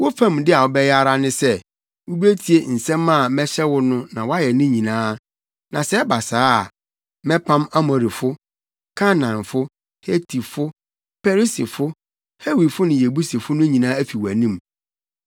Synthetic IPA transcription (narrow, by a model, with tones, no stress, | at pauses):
wo˦fã˦˨mdɪ˦a˨wɔ˨bɛ˦ja˦ɾa˦nɪ̃˦sɛ˦ | wu˦be˦tʰi˨e˦˨n̩˨sɛ̃˦ma˦˨mɛ̃˦ɕɛ˦wʊ˦nʊ̃˦nã˨wɔ˦a˦jɛ˨nɪ̃˦ɲĩ˨nãː˦ | nã˨sɛ˦ɛ˦ba˨saː˦a˨ | mɛ̃˦pʰã˦ma˦mɔ̃˨ɾi˨fʊ˦ | kʰa˦nã˨nfʊ˦ | he˦tʰi˨fʊ˦ | pʰɛ˦ɾi˦si˨fʊ˦ | he˦wi˨fʊ˦nɪ̃˨je˨bu˦si˨fʊ˦nʊ̃˦ɲĩ˨nãː˦æ˦fi˨wæ˨nĩ˦m